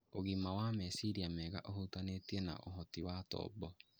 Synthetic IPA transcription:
oɣimawamɛsiɾiamɛːɣaʔohutanetiena̰ʔoɦɔtiwatɔ̰ːbɔ

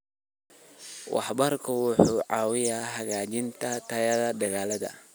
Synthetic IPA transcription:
wʔɑ̰ħbɐrkʰɐwʊħuːʕɑːwɪjaːɦɐɣaːt͡ʃɪnt̪ʰɐt̪ʰɐjɐðɐd̪ɐɣaːlɐðɐ̰

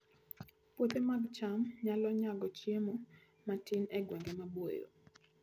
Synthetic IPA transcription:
pwot̪emaɡt͡ʃamɲalɔɲaɡɔt͡ʃjemo | matinɛɡwɛŋɡemabojo̰

